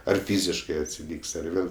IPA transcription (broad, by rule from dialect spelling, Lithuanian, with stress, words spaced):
ɐr ˈfʲiːzʲɪʃkɜ ɐtʲsʲɪˈlʲiːkʲsʲ ɐr ˈʋʲeːlˠ